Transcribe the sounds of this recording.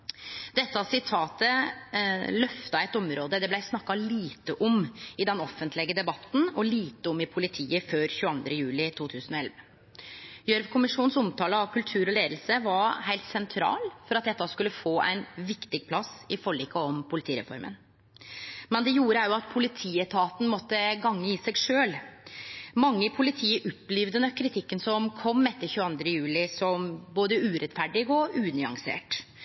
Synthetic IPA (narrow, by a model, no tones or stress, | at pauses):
d̪̥ɛt̪ːəɑsɪt̪ʰɑːt̪ə | lœft̪ɑæɪt̪ɔmɾoːd̪əd̪ɛblæɪsnɑkːɑliːt̪əʔɔmɪd̪ɛnɔfːənt̪lɛɡəd̪ɛbɑt̪ːn̩ɔliːt̪əɔmɪpʰʊlɪt̪ʰiːəføːɾçʉːəɑnd̪ɾəjʉːlɪt̪ʰuːt̪ʰʉːsən̩ɔɛlʋə | jœɾʋkʰʊmɪʂuːn̩sɔmt̪ʰɑːləɑʋkʰʉlt̪ʰʉːɾɔleːd̪l̩səʋɑɾɦæɪlt̪sɛnt̪ʰɾɑ̰ːlfɔɾɑt̪̚d̪ɛt̪ːɑskʉlːəfoːʔæ̰ɪnʋɪkt̪ɪɡ̚pʰlɑsɪfɔɭiːkəɔmpʰʊlɪt̪ʰiːɾɛ̰fɔ̰ɾmʔə̰n | mɛnd̪ɛjuːɾəæɾjʊɑt̪̚pʰʊlɪt̪ʰiːət̪ʰɑːt̪n̩mɔt̪ːəɡɑŋːəiːsɛɡʂøːl | mɑŋːəɪpʰʊlɪt̪ʰiːəʔʊpːliːʋd̪ənəkʰɾɪt̪ʰɪkːənsɔmkʰɔmːɛt̪ːəɾçʉːɑnd̪ɾəjʉːlɪsɔmboːd̪əʉːɾɛt̪fæɖɪɡɔʔʉːnɪɑ̰ŋsḛːʈ